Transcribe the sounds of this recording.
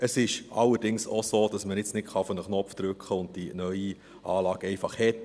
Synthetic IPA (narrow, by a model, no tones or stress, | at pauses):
əsɪʃʔɑ̰lːəɾd̥ɪŋsosoːd̥ɑsməɪt͡snɪtχɑfɔnəχnɔpfd̪̥ɾʉkχəʊnd̚d̥inœʏi | ʔɑːlɑːɡ̥ɛɪfɑχhɛt